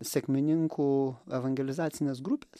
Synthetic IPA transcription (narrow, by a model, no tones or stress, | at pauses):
sʲɛkʲmʲɪnʲɪŋkuːɛʋɐŋʲɡʲɛlʲɪzɑːt̪sʲɪnʲeːsɡɾʊpʲeːs